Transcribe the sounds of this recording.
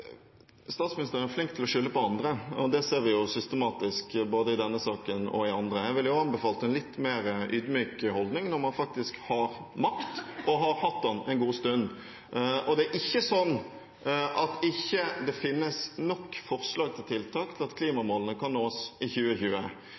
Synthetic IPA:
st̪ɑːt̪smɪnɪst̪əɾənæɾflɪŋk̚t̪ʰɪlɔʂʏlːəpɔɑnd̪ɾəɔd̪ɛseːɾʋɪjʊsʏst̪əmɑːt̪ɪskboːd̪əɪd̪ɛnːəsɑːkənɔ̰ɪɑnd̪ɾəjæʋɪljʊɑnbɛfɑːlt̪ɛnlɪt̪ːmeːɾʔyːd̪myːkhɔld̪nɪŋnɔɾmɑnfɑk̚t̪ɪskhɑɾ | mɑkt̪ɔɦɑɾhɑt̪ːdɑnɛɪnɡuːst̪ʉnː | ɔd̪ɛæɾʔɪçːəsɔnː | ʔɑt̪ɪçːəd̪ɛfɪnːəsnɔkːfɔʁslɑːɡ̚t̪ʰɪlt̪ʰɪlt̪ʰɑːkt̪ʰɪlɑt̪kʰliːmɑmoːlənəkɑnːoːsɪçʉːəçʉːə

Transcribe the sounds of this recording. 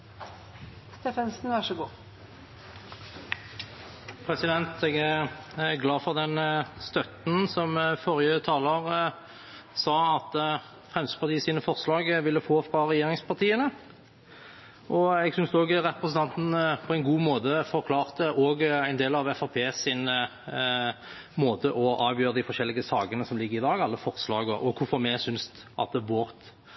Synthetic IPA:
st̪efɛnsnʋæʂɔɡuː | pʰʁɛsɪd̪ɛnt̪ɛɡæʁɡlɑːfɔʁd̪ɛnst̪œt̪n̩sɔmfɔʁjət̪ʰɑːləʁ | sɑːɑt̪ | fʁɛmsə̥pɑʁt̪iːəsiːnəfɔʁslɑːɡʋɪlːəfoːfʁɑʁɛjeːʁɪŋspɑʁt̪ʰiːənə | ʔɔɛɡsʏnsd̪ɛoːɡʁɛpʁəsən̩t̪ɑnt̪n̩pʰɔɛɪnɡuːmoːt̪əfɔʁkʰlɑːʁt̪əʔɔːɡæɪneːlɑʋɛfɑpʰeːsɪn | moːt̪əʔɔʔɑːʋjøːɾəd̪ɪfɔɾʃɛlːɪɡəsɑːɡənəsɔmlɪɡːəɪd̪ɑːɡɑlːəfɔʁslɑːɡɔʔɔkʰʊfɔʁmɛsʏnsʔɑ̰t̪̚d̪ɛʋoʁt̪

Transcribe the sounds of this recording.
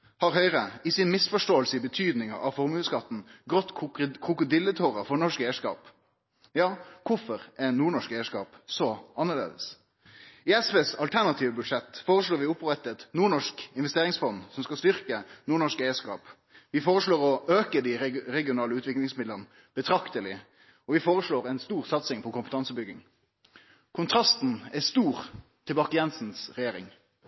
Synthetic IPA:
hɑɾɦœʏɾəɪsɪnmɪsfɔʂʈoːəlsəɪbət̪ʰyːd̪nɪŋɑ̰ʔɑʋfɔɾmʉːskʰɑt̪ːn̩ɡʁɔt̪ːkʰʁʊkʊd̪ɪlːət̪ʰoːʁəfɔɳɔʂkæɪəʂkɑ̰ːp | jɑːkʰʊfɔɾʔɛnuːɳɔʂkæɪəʂkɑ̰ːpsɔɑnːəlḛːd̪əs | ɪɛspeːsɑlt̪ʰæɳɑt̪ʰiːʋəbʉd̪ʂɛt̪ːfoːɾəsʂloːɾʋɪʊpʁɛt̪ːɛt̪nuːɳɔʂkɪnʋɛst̪eːɾɪŋsfɔnd̪sɔmskɑst̪ʏʁkənuːɳɔʂkæɪəskɑ̰ːp | ʋɪfoːʁəʂloːɾɔʔøːkəd̪iɛɾɛɡɪʊnɑːləʉːt̪ʋɪklɪŋsmɪd̪lənə | b̥ət̪ʰɾɑkt̪əlɪ̰ | ɔʋɪfoːʁəʂɭoːʁɛnst̪uːʁsɑt̪sɪŋpʰɔkʊmpət̪ɑnsəbʏɡɪ̰ŋ | kʰʊnt̪ʰʁɑst̪n̩æst̪uːʁt̪ʰɪlbɑːkəjɛnsn̩sʁɛjeːɾɪ̰ŋ

